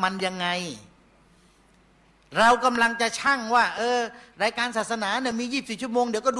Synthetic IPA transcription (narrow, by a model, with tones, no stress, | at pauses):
ma˧nja˧ŋːa˧j | ɾa˧wka˧mla˧ŋt͡ɕa˨t͡ɕʰa˥˩ŋwaː˥˩ʔɤː˧ɾaː˧jkaː˧nsaː˨˩t̪̚sa˧naː˩˦ni˥˩ɐmiː˧jiː˥˩p̚si˨˩p̚t͡ɕʰə˨moː˧ŋdi˩˦wkɔː˥˩du˧